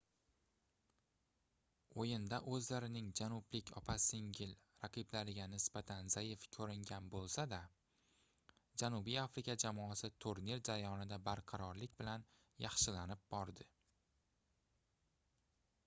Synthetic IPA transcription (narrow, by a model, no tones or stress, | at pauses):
ojɪnd̪aʔɵzlaɾɪnɪŋd͡ʒanʊblɪkʲʰɒ̰pʰasɪŋɡʲɪl | ɾaqʰɨblaɾɪɡʲanɪsbat̪ʰanzajɪfkʲʰɵɾɪŋɡʲanbolˠsad̪a | d͡ʒanubijafɾɪkʲad͡ʒamɒasɪt̪ʰoɾneɾd͡ʒaɾajɒnɪd̪abaɾqʰɑɾɒɾlɪkʲbɪlan | jɑχʃɪlanɪp̚bɒɾd̪ɪ